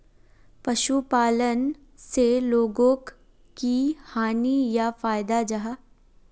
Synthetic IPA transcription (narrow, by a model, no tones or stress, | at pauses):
pɐʃupaːlən | seloːɡõk | kihaːnijafaːjd̪ad͡ʒaɦaː